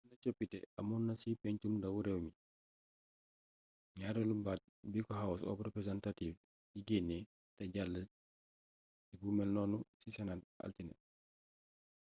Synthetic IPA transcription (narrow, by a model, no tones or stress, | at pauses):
nɐcɔpːitɛɐ̰munːɐsipɛɲt͡ʃumdɐwuɾɛwmi | ɲaːɾɛlubat̚bikɔɦawusɔ̰prɛpɾɛzantatiːf | jiɡenːɛ | tɐɟalːə | sibumɛlnɔːnusisɛnat̚ʔa̰ltinɛ̰t̚